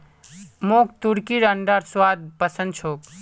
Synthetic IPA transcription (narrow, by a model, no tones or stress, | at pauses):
moːk̚t̪uɽkiɾəɳɖaɾswaːd̪̚pəsə̃nd̪̚t͡ʃʰoːk̚